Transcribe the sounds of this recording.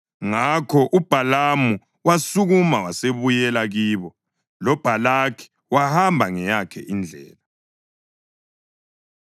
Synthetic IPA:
ŋakʰɔʔub̥ʱalamu | wasuɣumawaseβujɛlaɣiːβɔ | lɔb̥ʱalakʰi̥ | wahambʱaŋɛjakʰɛ̰ʔind͡ɮʱɛ̰ːla

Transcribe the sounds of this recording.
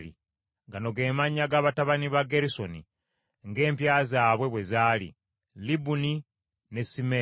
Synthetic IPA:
lḭ | ɡano̞ɡe̞ːmaɲːaɡaβataβaniβaɡe̞ɾiso̞nḭ | ŋɡe̞ːmpjaːzaːβwe̞βwe̞zaːlḭ | libuni | ne̞sime

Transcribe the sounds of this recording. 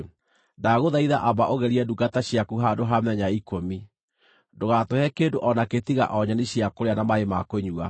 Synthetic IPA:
daɣoðaiðaʔabaʔoɣɛɾiɛduɡataɕjakuɦadoɦamɛɲaikomi | doɣatohɛkendoʔɔnaket̪iɣa̰ʔɔɲaneɕiakoɾeanamaemakoɲua

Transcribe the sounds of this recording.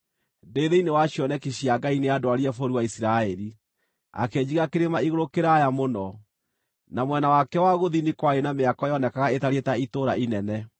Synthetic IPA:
deðeinewaɕjɔnɛkiɕiaɡaineadoaɾiɛfoɾiwaisiɾaɛɾi | a̰kɛɲd͡ʑiɣakeɾemaiɣoɾokeɾajamonɔ | namwɛnawakɛwaɣoðinikwaenameakɔjɔnɛkaɣaetaɾetaitoɾa̰ʔinɛnɛ

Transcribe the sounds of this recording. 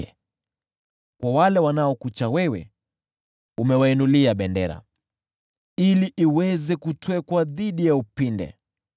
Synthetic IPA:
ɛ | kwawalɛwanaɔkut͡ʃawɛwɛ̰ | umɛwainuliaɓɛndɛɾa̰ | iliʔiwɛzɛkutwɛkwaðiɗijaupindɛ̰

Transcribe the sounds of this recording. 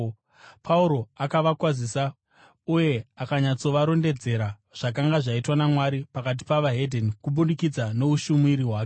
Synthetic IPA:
pʰauɾo̞akaʋakwazisa | uje̞akaɲat͡so̞ʋaɾo̞nde̞d͡ze̞ɾa | ʐ̥akaŋɡaʐaitwanamwaɾipakat̬i̥paʋaɦedʱonikuɓundikid͡zane̞uʃumuiɾiwaːke

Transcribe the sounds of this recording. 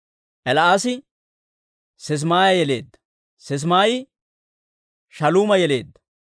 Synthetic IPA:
ʔɛlɐaːsɪ | sɛs̬maːjɐjɛle̞̰ːd̪ːɐ̥ | sɛs̬maːjɪ | ʃɐluːmɐjɛle̞ːd̪ːɐ̥

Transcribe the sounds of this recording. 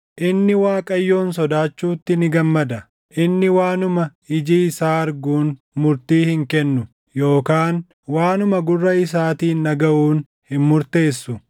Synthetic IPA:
ʔɪnːɪwaːkʼɐjːo̞ːnsɔd̪aːt͡ʃːuːt̪ːɪnɪɡɐmːɐd̪ɐ | ʔɪnːɪwaːnʊmɐɪd͡ʒiːɪsaːɐɾɡuːn | mʊɾt̪iːhɪŋkɛnːʊ | jo̞ːkaːn | waːnʊmɐɡʊrːɐɪsaːt̪iːnːɐɡɐʔuːn | hɪnmʊɾt̪e̞ːsːʊ

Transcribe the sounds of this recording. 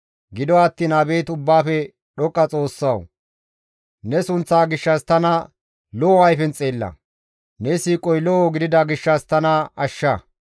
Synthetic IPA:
ɡɪd̪ɔɐt̪ːiːnɐbe̞ːt̪ʊbːaːfɛ | ɗɔkʼːɐt͡sʼo̞ːsːɐw | nɛsʊnt͡sːaːɡɪʃːɐst̪ɐnɐ | lɔɐjfɛnt͡sʼeːlːɐ̰ | nɛsiːkʼɔjlɔoɡɪd̪ɪd̪ɐɡɪʃːɐst̪ɐnɐɐʃːɐ

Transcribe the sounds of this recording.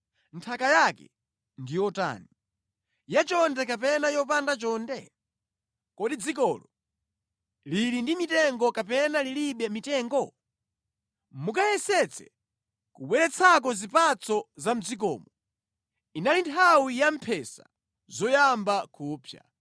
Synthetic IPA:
ntʰakajakɛ̰ | ndijɔta̰ːni | jat͡ʃɔndɛkapɛnajɔp̬andat͡ʃɔndɛ | kɔɗid͡zikɔːlɔ | lilindimitɛŋɡɔkapɛnaliliɓɛmitɛːŋɡɔ | mukajɛsɛt͡sʰɛ̰ | kuɓwɛɾɛt͡sʰak̬ɔzipat͡sɔzam̩d͡zik̬ɔ̰ːmɔ | inalintʰawijam̩pʰɛsa̰ | zɔjambakuːpʰja̰

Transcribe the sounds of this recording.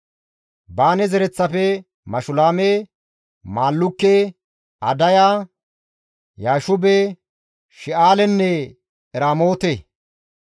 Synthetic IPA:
baːnɛzɛɾɛt͡sːɐpɛ | mɐʃʊlaːme | maːlːʊkːe | ɐd̪ɐjaː | jaːʃʊbe | ʃɪʔaːlɛnːɛ | ɛɾaːmo̞ːt̪eː

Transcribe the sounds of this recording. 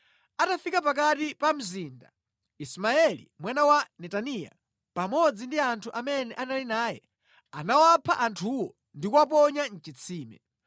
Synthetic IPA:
atafikap̬ak̬atipam̩ziːnda̰ | ismaɛlḭmwanawanɛtanija̰ | pamɔd͡zindiantʰuʔamɛnɛʔanalinaːjɛ̰ | a̰nawapʰaʔantʰuwɔ | ndikwap̬ɔɲan̩t͡ʃit͡sʰiːmɛ̰

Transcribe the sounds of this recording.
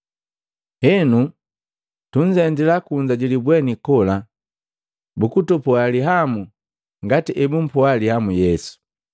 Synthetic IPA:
hɛnu | tuɲ̩d͡ʒɛndilakuɲd͡ʒaɟilibwɛnikɔla | bukutɔpɔaliɦamu | ŋɡatiʔɛbum̩pɔalihamujɛsu̥

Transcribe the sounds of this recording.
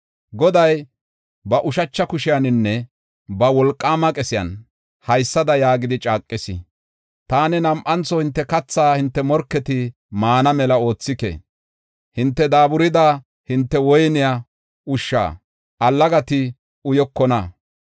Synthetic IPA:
ɡɔd̪ɐj | bɐʔʊʃɐt͡ʃːɐkʊʃɪjanɪnːɛ | bɐwɔlkʼːaːmɐkʼɛsɪjɐ̰n | hɐjsːɐd̪ɐjaːɡɪd̪ɪt͡ʃʼaːkʼːɪsɪ̰ | t̪aːnɛnɐmʔɐnt͡sːɔhɪnt̪ːɛkɐt͡sːaːhɪnt̪ːɛmɔɾkːɛt̪ɪ | maːnɐmɛlɐo̞ːt͡sːɪkɛ̰ | hɪnt̪ːɛd̪aːbʊɾɪd̪a | hɪnt̪ːɛwɔjnɪja | ʊʃːa̰ː | ʔɐlːɐɡɐt̪ɪ | ʊjɔkːɔnɐ

